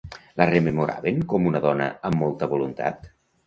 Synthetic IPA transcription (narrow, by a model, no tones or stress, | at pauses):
lərememuɾa̰βeŋkɔmunəðɔnə̰ːmːɔlˠt̪əβulunt̪a̰t̪